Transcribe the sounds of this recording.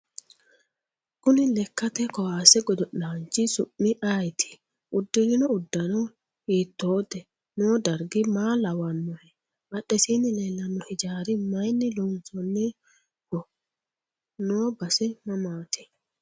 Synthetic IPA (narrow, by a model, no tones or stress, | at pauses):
kʊnɪlɛkːɐt̪ɛkɔwaːsɛɡɔd̪ɔʔaːnt͡ʃːɪsʊʔːɪʔajt̪ʰɪ̥ | ʔʊd̪ːɪlɪnɔʊd̪ːɐnɔ | hiːt̪ːoːd̪ɛ | noːd̪ɐɾɡɪmaːlɐwɐnːɔhɛ | mɐɗɛsiːnːɪlɛlːɐnːɔhɪd͡ʒaːɾɪmɐjnːɪlɔnsɔnːɛ | ɡ̥ɔ | noːbɐsɪmɐmaːt̪ɪ̥